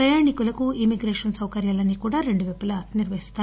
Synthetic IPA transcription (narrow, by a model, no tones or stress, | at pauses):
ɾɐjaːɳikulɐkuimiɡɾeːʂɐnsɐwkɐɾjaːlɐnːikuːɽaːɾe̞ɳɖuʋepːɐlɐniɾʋɐɦist̪aː